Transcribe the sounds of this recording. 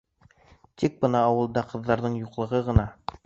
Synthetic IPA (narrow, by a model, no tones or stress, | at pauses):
t̪ik̚bɤnɑːwɤ̆lˠd̪ɑqɤ̆ðːɑɾðɤɴjuqlˠɤ̆ʁɤʁɤ̆nɑ